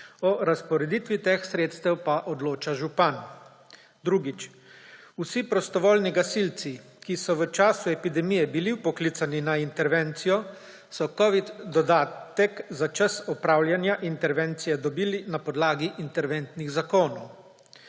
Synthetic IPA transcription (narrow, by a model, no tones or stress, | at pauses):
ɔɾaspɔɾɛd̪iːt̪ʋit̪eːxsɾeːt̪st̪ɛwpaʔɔd̪loːt͡ʃaʒupan | d̪ɾuɡit͡ʃ | usipɾɔst̪ɔʋoːlniɡasilt̪si | kisɔʋət͡ʃaːsuɛpid̪ɛmijɛbiliwpɔklit̪saninaint̪ɛɾʋɛnt̪sijɔ | sɔkɔʋid̪d̪ɔd̪aːt̪ɛkzat͡ʃəsɔpɾaːwljanjaʔint̪ɛɾʋɛnt̪sijɛd̪ɔbiːlinapɔd̪laːɡiʔːnt̪ɛɾʋɛnt̪niɣzakoːnɔw